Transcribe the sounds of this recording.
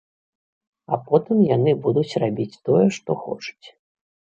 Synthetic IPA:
apɔt̪ɨmjanɨbud̪ut͡sʲrabʲit͡sʲt̪ɔjɛʂt̪ɔxɔ̰t͡ʂu̥t͡sʲ

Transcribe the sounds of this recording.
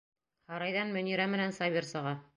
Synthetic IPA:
hɑɾɑjðɑnmɵ̆niɾæmɘ̆nænsɑβʲersɤ̆ʁɑ

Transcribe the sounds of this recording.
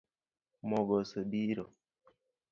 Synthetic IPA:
mɔɡɔsobiɾo

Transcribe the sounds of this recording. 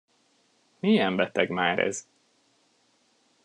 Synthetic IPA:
mijɛɱbɛt̪ɛɡmaːɾɛ̰z

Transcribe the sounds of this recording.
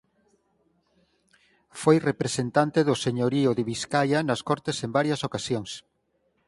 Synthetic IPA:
fojrepɾesent̪ant̪eðʊseɲoɾiʊðeβiskajɐnɐskɔɾt̪esembaɾjɐsokasjoŋs

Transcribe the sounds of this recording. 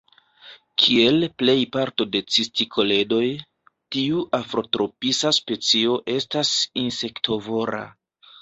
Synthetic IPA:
kʰie̞lple̞jpaɾto̞de̞t͡sistikʰo̞le̞do̞j | tiuʔafɾo̞tɾo̞pisaspe̞t͡sio̞ʔe̞stasinse̞ktʰo̞vo̞ɾa̰

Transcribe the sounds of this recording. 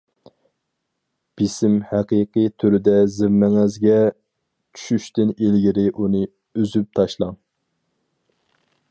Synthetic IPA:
b̥isɪmhæqiqʰɨt̪ʰyɾɪd̪ɛzɪmmːɛŋɛzɡʲɛ | t͡ʃʰy̥ʃyʃt̪ɪnilɡʲɪɾɪʔunɨ | øzyp̚t̪ʰɑʃlˠɑŋ

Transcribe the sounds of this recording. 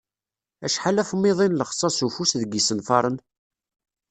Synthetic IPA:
æʃħalæfmːɪðˤinləχsˤɑsufusðəɡisənfɑɾˤən

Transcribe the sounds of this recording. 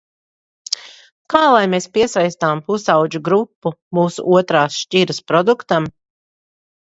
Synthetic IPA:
kaːlˠajmeːspiɛsajst̪aːmpusawd͡ʒuɡɾupːumuːsṵʔuɔt̪ɾaːsʃt͡ʃiɾɐspɾɔd̪ukt̪am

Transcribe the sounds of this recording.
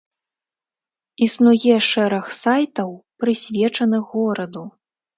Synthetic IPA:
isnujɛʂɛɾɐxsajt̪ɐwpɾɨsʲvʲɛt͡ʂɐnɨɣːɔɾɐd̪u

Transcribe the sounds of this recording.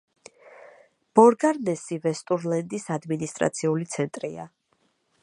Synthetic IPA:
b̥ɔɾɡaɾnɛsivɛst̪ʼuɾlɛnd̪isad̪minist̪ʼɾa̰t̪sʰiulit̪sʰɛnt̪ʼɾia̰

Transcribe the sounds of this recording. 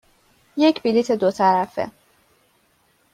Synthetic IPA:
je̞cʰbilit̪ʰe̞d̪ot̪ʰæɾæfḛ

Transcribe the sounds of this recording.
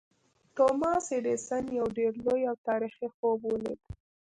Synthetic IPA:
t̪omɑseɖesanjawɖeɾlojawt̪ɑɾixixobwəlḛd̪

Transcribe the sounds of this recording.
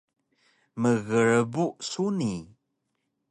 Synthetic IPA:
məɣəɹəbusuni

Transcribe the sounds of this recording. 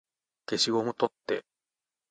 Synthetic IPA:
ke̞ɕiɡomot̪ot̪ːe̞̰

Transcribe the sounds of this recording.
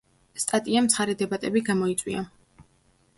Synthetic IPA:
st̪ʼat̪ʼiamt̪sʰχaɾɛd̪ɛbat̪ʼɛbiɡamɔit̪sʼwḭa

